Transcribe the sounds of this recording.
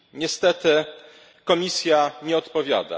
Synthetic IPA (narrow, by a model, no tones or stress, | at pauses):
ɲɛst̪ɛt̪ɘ | kɔmʲisʲjaɲɛɔt̪pɔvʲja̰d̪a̰